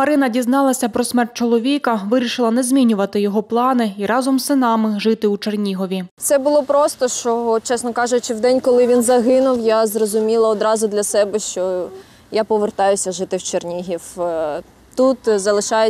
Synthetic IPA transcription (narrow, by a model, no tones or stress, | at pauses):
mɐɾɪnɐdʲiznɑlˠɐsʲɐpɾɔsmɛrt̪̚t͡ʃɔlˠɔʋʲikɐʋɪɾʲiʃɪlˠɐnɛzʲmʲinʲʊʋɐt̪ɪjɔɦɔplˠɑnɪiɾɑzɔmɪnɑmɪʒɪt̪ɪut͡ʃernʲiɦɔʋʲit̪sɛbʊlˠɔpɾɔst̪ɔʃt͡ʃɔɔt͡ʃɛsnɔkɑʒʊt͡ʃɪwd̪ɛnʲkɔlˠɪʋʲinzɐɦɪnʊwjazrɔzʊmʲilˠɐɔd̪ɾɑzʊd̪lʲɐsɛbɛʃt͡ʃɔ | japɔʋert̪ɑjʊsʲɐʒɪt̪ɪwt͡ʃernʲiɦʲiw | t̪ut̪zɐlˠɪʃɑje